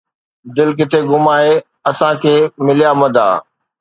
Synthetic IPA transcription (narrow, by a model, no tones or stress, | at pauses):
d̪ɪlk̬ət̪ʰeːɡʊmaːe | ɐsãkʰeːmɪlijamɐd̪ʱa̰ː